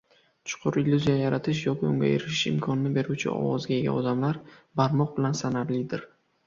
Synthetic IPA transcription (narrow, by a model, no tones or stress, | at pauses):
t͡ʃʰʊ̥qʰʊɾɪlʲːuzijajaɾat̪ʰɪʃ̬jɒkʲɪo̰ŋɡʲa̰eɾɪʃɪʃɪ̰mkʰɒnɪnɪbe̞ɾut͡ʃʰɪ̰ɒ̰wɒzɡʲaeɡʲa̰ɒd̪amlaɾbaɾmɒq̚bɪlansanaɾlɪd̪ɪɾ